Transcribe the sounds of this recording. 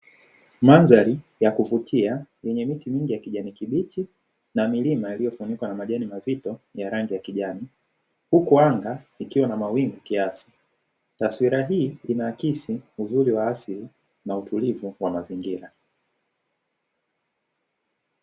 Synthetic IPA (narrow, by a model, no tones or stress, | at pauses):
manzaɾijakuvutʰiajɛɲɛmitimiŋɡijakiʄanikiɓit͡ʃi | namilimailijɔfunikwanamaʄɛnimazitɔjaɾaŋɡijakiʄani | hukuaŋɡaikiwanamawiŋɡukiasi̥ | taswiɾaɦiːinaːkisiuzuɾiwaːsili | nautʰulivuwamaziŋɡiɾa